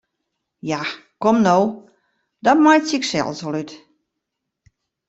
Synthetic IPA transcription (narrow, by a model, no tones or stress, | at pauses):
jakomnow | dɔtmajsiksɛ̰lˠsolyt